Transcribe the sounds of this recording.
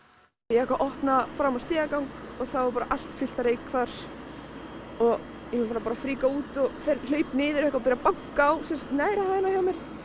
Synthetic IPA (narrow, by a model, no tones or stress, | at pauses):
jɛɛhkvaʔɔhpnafɾamast̪ɪːɣakawŋkɔɣθavaɾpaːɾaʔal̥t̪fɪl̥t̪aɾeːjkʰfaɾ̥ | ɔɣ | jɛnufaɾapaɾafɾiːkauːt̪ɔɣfɛɾl̥œːɥpnɪːðɪɾɛhkvawpɛɾapaŋkaːwsɛmsat̪naːjɾahaːðɪnaçjawmɛɾ̥